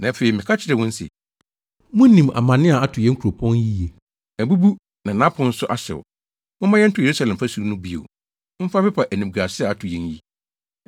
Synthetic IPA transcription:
nã˨feː˨i˨mɪ̃˨kʰa˦t͡ɕʰɪ˨ɾɛ˨wʊ̃˦n̩˦sɛ̰˨ | mʊ̃˦nĩ˨ma̰˨mã˨nɪ̃˦a˨a˦tʰʊ˨jɛ˦ŋ˦kʰu˨ɾo˨pʰɔ̃˦nji˦je˨ | æ˨bu˦bu˦ | nã˨nã˦pʰʊ̃˨˦n̩˦sʊ˦ʔa˦ɕɛ̰˨wɔ̰˨ | mʊ̃˦mã˦jɛ˦n̩˦tʰʊ˨je˨ɾu˦sa˦lɛ̃˨m˨fa˦su˨ɾu˦nʊ̃˦bi˦o̰˨˦ | m̩˦fa˦fɛ˦pʰa˨ʔæ˨nĩ˨ɡa˨sɪ˦a˨a˨tʰʊ˨jɛ̃˦nji˦

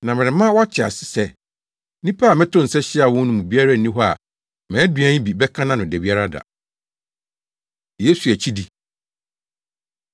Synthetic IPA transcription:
nã˨mɪ̃˨ɾɪ˨˦mã˦wa˦t͡ɕʰɪ˨a̰˨sɪ̥˦sɛ˦ | nĩ˦pʰa˦a˨mɪ̃˦tʰʊ̃˦n̩˨sɛ˦ɕɪ˦a˨wɔ̃˦n˦nʊ̃˦mũ˨bi˦a˦ɾa˦˨n˨nĩ˦ɦɔ˦a̰˨ | mɛ̃˨˦dɥã˦ɲ̃˦bi˨bɛ˦kʰã˦nã˦nʊ̃˨dæ˨bi˦a˦ɾa˦da̰˨ | je˦su˨æ˨t͡ɕʰi˦di˨

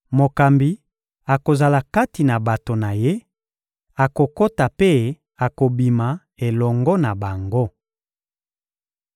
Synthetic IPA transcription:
mo˨ka˨mbi˨ | a˨ko˨za˨la˨ka˦ti˨na˨ba˨to˨na˨je˦ | a˨ko˨ko˦ta˨pe˦ | a˨ko˨bi˨ma˨ | e˨lɔ˨ŋɡɔ˦na˨ba˨ŋɡo˦

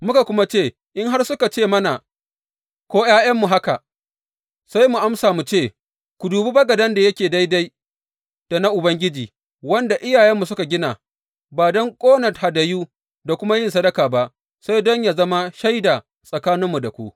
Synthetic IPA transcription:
mʊ˦ka˨kʷʊ˦ma˦t͡ʃeː˦˨ | ʔɪ˦ŋɦa˦rsʊ˦ka˨t͡ʃeː˦˨mɐ˦na˨ | kʷoː˦jaː˦jɐ˦mːu˨ɦa˦ka˨ | sa˦jmu˨ʔa˦msaː˨mu˨t͡ʃeː˦˨ | kʷu˨duː˨bi˦bɐ˦ɡɐ˨dɐ˦nda˨jɐ˦kʲeː˨da˦jda˦j | d̥a˨na˦ʔʊ˨bɐ˦ŋɡʲɪ˦d͡ʒiː˨ | wɐ˦nda˨ʔɪ˦jaː˨jɛ˦mːu˨sʊ˦ka˨ɡʲɪ˦na˨ | baː˨dɔ˦ŋkʷʼoː˦nɐ˨tha˨dɐ˨juː˦ | da˨kʷʊ˦ma˦jɪ˦˨nsɐ˦dɐ˦kaː˨ba˦ʔ | sa˦jdɔ˦ɲja˨zɐ˦ma˦ʃa˦jda˨ | sʼɐ˨kaː˦nɪ˦mːu˨da˨kʷu˦ʔ

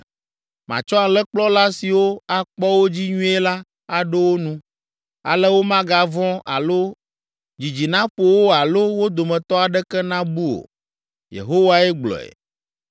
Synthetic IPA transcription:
mã̰˨t͡ʃɔ˦a˨lɛ˦k͡plɔ˦la˦si˨wo˦a˨k͡pɔ˦wo˦d͡ʑi˦ɲũ˦e˦la˦ | a˨ɖɛ˦wo˦nũ˦ | a̰˨lɛ˦wo˦mã˦ɡa˨vɔ̃˦a̰˨lo˦ | d͡ʑi˨d͡ʑi˨nã˦ɸo˨wo˦a˨lo˦wo˦d̪o˨mɛ̃˨t̪ɔ˦a˨ɖɛ˦kɛ˦nã˦bu˦o̰˨ | jḛ˨ɦo˦wa˦ɛ˦ɡ͡blɔ̰˨ɛ̰˨

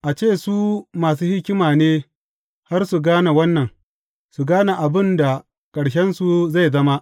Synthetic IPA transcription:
ʔa˨t͡ʃeː˦˨suː˦maː˨s̬uː˦hɪ˦kʲɪ˦maː˨neː˦ | ha˦rsu˨ɡaː˦na˨wɐ˦nːɐ˨ŋ | su˨ɡaː˦na˨ʔa˨bɪ˦nda˨ | kʼɐ˨ɽʃɛ˦nsu˨za˦˨jzɐ˦ma˦ʔ

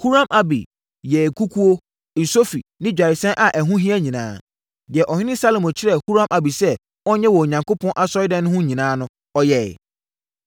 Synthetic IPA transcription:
hu˦ɾã˦mʔa˨bḭ˨ | jɛ˨kʰu˦kʰu˦o˦˨ | n̩˨so˦fḭ˨nɪ̃˦d͡ʑᶣa˨ɾɪ˨sɛ̃˦nʔa˨ʔæ˨ɦũ˦ɦĩ˦ɛ˦ɲĩ˨nã̰ː˦ | dɪ˨ɛ˨ʔɔ˨hɪ̃˦nɪ̃˦sa˦lo˨mɔ̃˨t͡ɕʰɪ˦ɾɛ˨hu˦ɾã˦mʔa˨bi˨sɛ˦ | ɔ˦ɲɛ˦wɔ˨o˨ɲã˨ŋko˦pʰɔ̃˦nʔa˦sɔ˦ɪ˦dɛ̃˦nʊ̃˦hʊ̃˦ɲĩ˨nãː˦nʊ̃˦ | ɔ˦jɛ̰˦˨

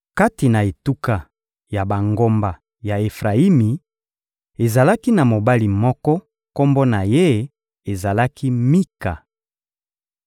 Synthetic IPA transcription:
ka˦ti˨na˨e˨tu˦ka˨ | ja˨ba˨ŋɡo˦mba˨ | ja˨e˨fʁa˨i˦mi˨ | e˨za˨la˦ki˦na˨mo˨ba˦li˨mɔ˦kɔ˦ | ko˦mbo˦na˨je˦ | e˨za˨la˦kʰi˦mi˦ka˨

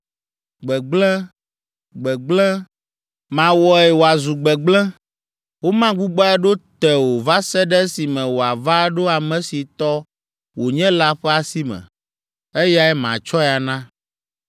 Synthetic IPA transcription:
ɡ͡bɛ˨ɡ͡blɛ̃˦ | ɡ͡bɛ˨ɡ͡blɛ̃˦ | mã˨wɔ˨ɛ˨wo˨a˨zu˨ɡ͡bɛ˨ɡ͡blɛ̃˦ | wo˦mã˦ɡ͡bu˦ɡ͡bɔ˦ɛ˦ɖo˦t̪ɛ˨wo˨va˦sɛ˦ɖɛ˦si˨mɛ̃˨wo˨a˨va˦ɖo˦a˨mɛ̃˨si˨t̪ɔ˦ | wo˨ɲɛ̃˦la˦ɸɛ˦a˨si˦mɛ̰̃˨ | ɛ˦ja˦ɛ˦mã̰˨t͡ʃɔ˦ɛ˨a˨nã˦

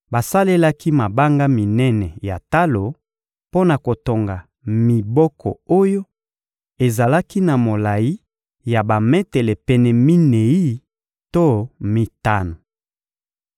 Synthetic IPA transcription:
ba˨sa˦le˦la˦ki˦ma˨ba˦ŋɡa˦mi˨nɛ˦nɛ˨ja˨ta˦lo˨ | po˦na˨ko˨to˨ŋɡa˨ | mi˨bɔ˦kɔ̰˨o˦jo˦ | e˨za˨la˦ki˦na˨mo˨la˨ji˦ | ja˨ba˨mɛ˦tɛ˨lɛ˨pɛ˨nɛ˨mi˦ne˨i˦ | to˦mi˦ta˦no˨

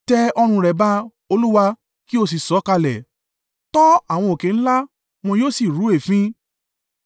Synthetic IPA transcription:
tɛ˧ɔ˧ɾ̃ũ˧ɾɛ˨ba˦ | o˧lu˦wa˧ | ki˦o˧s̬i˨sɔ˨˦ka˧lɛ˨ | tɔ˦a˦˨w̃ɔ̃˧o˨kẽ˨˧n̩˦la˦ | m̃ɔ̃˧joː˦si˦˨ɾu˨˦e˦˨fĩ˦

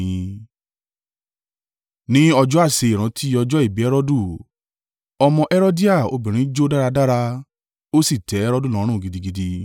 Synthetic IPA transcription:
ĩ˨˦ | nĩ˦ɔ˧d͡ʒɔ˦a˦˨se˧i˨ɾ̃ã˨˦tʰi˦ɔ˧d͡ʒɔ˦i˦˨bi˨˦ɛ˦ɾɔ˦du˦˨ | ɔ˧mɔ̃˧ʔɛ˦ɾo˦di˦a˦˨o̰˧bĩ˨ɾ̃ĩ˨˦d͡ʒo˦da˦ɾa˧da˦ɾa˧ | o˦si˦˨tɛ˨˦ɛ˦ɾɔ˦du˦˨lɔ̃˨˦ɾ̃ũ˦˨ɡi˨di˧ɡi˧di˧

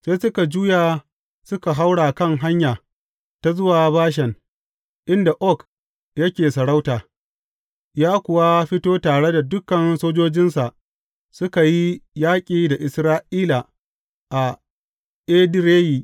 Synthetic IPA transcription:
seː˦sʊ˦ka˨d͡ʒuː˦jaː˨ | sʊ˦ka˨ɦa˦wɽa˨kɐ˦˨ŋɦa˦ɲjaː˨ | ta˦zʊ˦waː˨baː˦ʃ̬ɛ˨n | ʔɪ˦nda˨ʔɔ˦˨k | jɐ˦kʲeː˨sɐ˨ɽa˦wtaː˨ | jaː˦kʷʊ˨wa˦ɸɪ˦toː˦taː˨ɽe˦da˨dʊ˦kɐ˨nsoː˦d͡ʒoː˦d͡ʒɪ˦nsa˨ʔ | sʊ˦ka˨ji˦jaː˦kʲʼiː˨da˨ʔɪ˨sɾaː˦ʔiː˦la˨ | ʔa˨ | ʔeː˦dɾeː˦jiː˨

